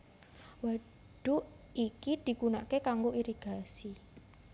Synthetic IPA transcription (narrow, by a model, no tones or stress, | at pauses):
wa | ɖ̥u | ikid̪̥i̤kunaʔkekaŋɡoʔiɾiɡ̥a̤si